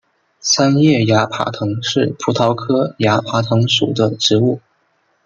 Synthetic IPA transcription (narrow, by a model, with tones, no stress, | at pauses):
sa˥njɛ˥˩ja˧˥pʰa̰˨˩t̪ʰɤ˧˥ŋʂɻ̩˥˩pʰu˧˥t̪ʰɑ˧˥ʊkʰɤ˥ja˧˥pʰa˧˥t̪ʰɤ˧˥ŋʂṵ˨˩d̪ə˦ʈ͡ʂɻ̩˧˥u˥˩